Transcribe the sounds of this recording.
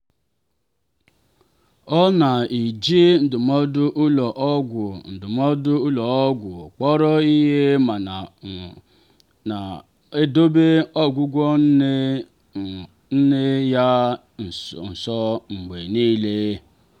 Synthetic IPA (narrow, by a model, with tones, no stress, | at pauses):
ɔ˦na˨i˨d͡ʒi˦n̩˨dʊ˨mɔ˦dʊ˦ʔʊ˦lɔ˨ʔɔ˦ɡʷʊ˨n̩˨dʊ˨mɔ˦dʊ˦u˦lɔ˨ɔ˦ɡʷʊ˨k͡pɔ˦ɾɔ˦i˦ɦe˦ma˨ | na˨ | e˦do˦be˦ɔ˦ɡʷu˦ɡʷɔ˦ | n̩˦ne˦ja˦˨ | n̩˨sɔ˦ŋ͡m̩˨ɡ͡be˨niː˦le˦